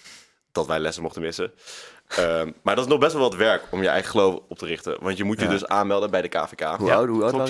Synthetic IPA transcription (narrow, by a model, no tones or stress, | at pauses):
d̥ɑtʋɛjlɛsəmɔχtəmɪsə | maːɹdɑtɪsnɔχbɛstʋɛlˠʋˠətʋɛɹkɔmjəɛ̰jχəχəlowfɔp̚tərɪχtə̰ʋɑntjəmutjədɵsaːnmɛlˠdəbɛjdəka̰ːfekaː